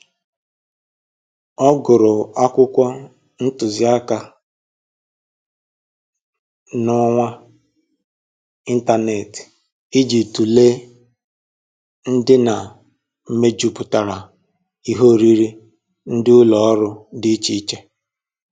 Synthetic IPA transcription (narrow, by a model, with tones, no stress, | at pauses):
ɔ˦ɡʊ˨ɾʊ˨a˦kʷʊ˦kʷa˦ | n̩˦tʊ˨zi˦a˦ka˦ | nʊ˦ŋʷa˦ | i˦n̩˦ta˦ne˨t | i˦d͡ʒi˨tu˨le˦ | n̩˦dɪ˦na˨ | m̩˦me˦d͡ʒu˦pʊ˨ta˨ɾa˨ | i˦ɦo˦˨ɾi˦ɾi˦ | n̩˦dɪ˦ʊ˦lɔ˨ɔ˦ɾʊ˦dɪ˦t͡ʃi˦t͡ʃe˦